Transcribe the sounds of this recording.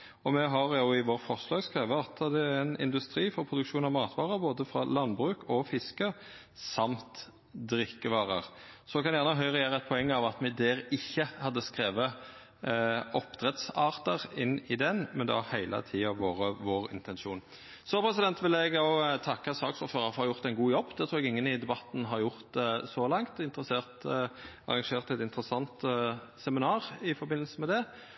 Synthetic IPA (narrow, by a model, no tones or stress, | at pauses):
ɔmɛɦɑʁjʊːɪʋoːʁfɔʁslɑːɡskɾeːʋəɑt̪ːd̪ɛæɾɛnɪ̰nd̪ʉst̪ɾiːfɔɾpʰɾʊd̪ʉkʃuːnɑʋmɑːt̪ʰʋɑːɾəɾboːd̪əfɾɑ̰lɑnbɾʉːkʰɔfɪskə | sɑmt̪ | d̪ɾɪkːəʋɑːʁə̰ʁsɔkʰɑnjæːʁnəɦœʏʁɛjæːɾəɛt̪̚pʰɔɛŋːɑʋɑt̪mɛd̪ɛːɾɪçːəhɑd̪ːəskɾeːʋə | ɔpt̪ʰɾɛt̪sɑːʁt̪əʁɪnːɪd̪ɛnmɛnd̪ɛ̰ɑhæɪlʔə̰t̪ʰiːɑʋoːɾəʋoːʁɪ̰nt̪ɛnʃuːn | sɔpʰɾɛsɪd̪ɛnt̪ʋɪlɛɡ̪ot̪ʰɑkːəsɑːksuːt̪føːɾɑfɔɾhɑjʊʁt̪ɛɪnɡuːjɔbːd̪ɛt̪ʰɾuːɛɡɪŋːənɪd̪ɛbɑt̪n̩ɦɑɾjʊʁt̪sɔlɑŋt̪ɪnt̪ɾəseːʁt̪ | ɑ̰ʁɑŋʃeːʁt̪ɛt̪ɪnt̪ʁəsɑnt̪ | sɛmɪnɑːʁɪfɔɾbɪnːl̩səmɛd̪ɛ